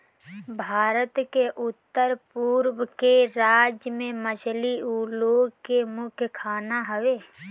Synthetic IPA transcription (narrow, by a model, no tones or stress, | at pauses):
bʱaːɾət̪keʔʊt̪ːəɾpuːɾwəkeɾaːd͡ʒjəmẽməʃliuloːkemʊkʰjkʰaːnaɦəʋeː